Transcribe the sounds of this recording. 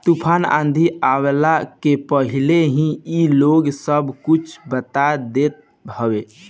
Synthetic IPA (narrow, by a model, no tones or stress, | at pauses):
t̪upʰanã̰nd̪ʱiawelakepəɦileɦĩiloɡsəbkut͡ʃʰbət̪ad̪et̪̚ | bʱəʋe